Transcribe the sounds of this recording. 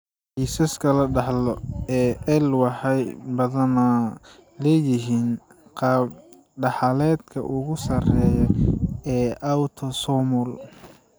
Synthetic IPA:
ħiːsɐskʰɐlɐɖɑħlɔɛːʔɛlwɑħɑjbɐðɐna | lɛːjɪɦiːn | qɑːb̚ | ɖɑħɑlɛːd̪kʰɐ̰ʔʊɣʊsɐrɛːjɐɛːʔawt̪ʰɔsɔmɔl

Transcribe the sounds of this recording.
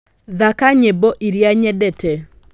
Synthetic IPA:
ðakaɲeboʔiɾjaɲɛdɛtɛ

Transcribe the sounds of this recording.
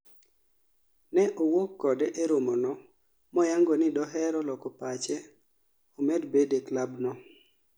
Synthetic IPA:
nɛʔowokːɔdɛʔeɾomonɔ | mɔjaŋɡɔnɪdɔɦɛɾɔlɔkɔpat͡ʃɛ | omedbedeklabnɔ

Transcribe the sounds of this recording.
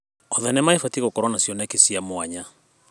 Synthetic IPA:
ɔðanɛmaefatiɣokɔɾwanasjɔnakesiamoaɲa

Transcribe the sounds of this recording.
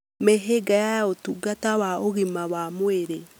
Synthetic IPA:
meɦeɡajajotuɡatawaoɣimawamweɾe

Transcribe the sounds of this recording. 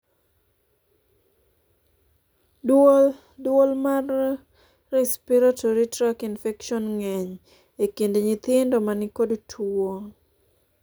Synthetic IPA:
dwolmarː | ɛspiɾatʰoɾitɾakinfɛkʃɔnŋɛɲ | ekendeɲɪt̪ɪndomanɪkodtʰoŋ

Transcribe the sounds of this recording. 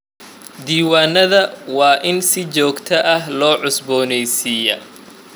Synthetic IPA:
d̪iːwaːnːɐðɐwɑːʔɪnsɪt͡ʃɔːɡt̪ʰɐʔɐɦlɔːʕʊsbɔːnɛjsiːjɐ

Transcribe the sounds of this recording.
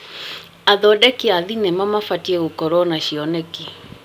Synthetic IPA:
aðɔdɛkiaðinɛmamafatiɛɣukɔɾɔnaʃiɔnɛki

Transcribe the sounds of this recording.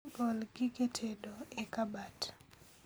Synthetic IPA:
ɡɔlɡɪɡetʰedoekabat

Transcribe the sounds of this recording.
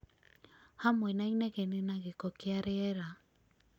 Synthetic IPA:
hamwɛnainɛɣenenaɣekɔkeaɾeɛɾa

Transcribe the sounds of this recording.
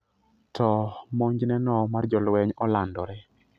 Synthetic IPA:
tʰɔmoɲd͡ʒnɛnɔmard͡ʒɔlwɛɲɔlandɔɾɛ

